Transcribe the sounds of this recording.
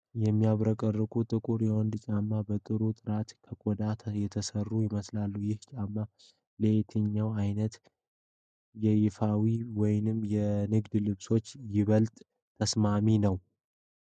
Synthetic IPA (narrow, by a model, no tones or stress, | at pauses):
jɛmːijaβɾəkʼərːɨkʰʼut̪ʼɨkʼuɾjɛwɔnd̪t͡ʃʼamːabət̪ʼɨɾut̪ʼɨɾat̪kʰəkʼɔd̪at̪ʰjɛt̪ʰəsərːujɪməslalːujɪht͡ʃʼamːa | let̪ʰəɲːawajnət̪ | jɛjɪfawiwɔjnɨmjɛnɨɡd̪lɨβso̞t͡ʃːjɪβəlt̪ʼ | t̪ʰːəsmaminəw